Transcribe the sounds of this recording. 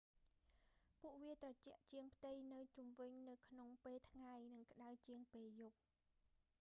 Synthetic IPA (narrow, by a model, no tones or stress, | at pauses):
puəʔʋiət̪rɑt͡ɕɛ̆əʔt͡ɕiəŋpʰt̪ɨjnɨwt͡ɕumʋɨɲnɨwkʰnoŋpeːlt̪ʰŋajnɨŋkə̆ɗawt͡ɕiəŋpeːljup̚